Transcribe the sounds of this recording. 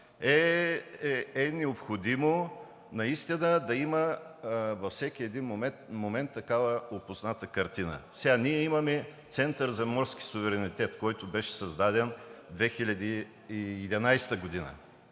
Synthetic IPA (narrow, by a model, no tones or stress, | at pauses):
ɛ | ɛnɛopxod̪imo | nɐist̪inəd̪ɐimə | vɐfsɛk̟iɛd̪inommomɛnt̪ːɐkavəopʊsnat̪əkɐɾt̪inə̰sɛɡaniɛimɐmɛt̪sɛnt̪əɾzɐmɔɾski̥sʊvɛɾɛnit̪ɛt̪kɔjt̪ʊbɛʃɛ̥sɐzd̪ad̪ɛnd̪vɛxilʲɐd̪iː | d̪ɛnajst̪əɡod̪inə̰